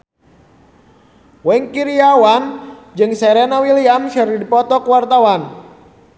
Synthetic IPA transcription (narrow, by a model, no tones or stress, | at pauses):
wɛŋkiɾiawand͡ʒɨŋsɛɾɛnawiliamʃəridipɔt̪ɔkuwart̪awan